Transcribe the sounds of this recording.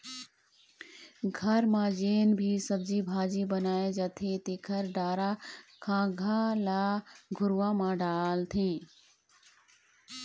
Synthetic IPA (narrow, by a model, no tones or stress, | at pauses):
ɡʱəɾmãd͡ʒeːnbʱisəb̚d͡ʒibʱaːd͡ʒibənaːed͡ʒaːt̪ʰet̪ekʰəɾɖaːɾakʰãːɡʱalaːɡʱʊɾʋãmãɖaːlt̪ʰẽː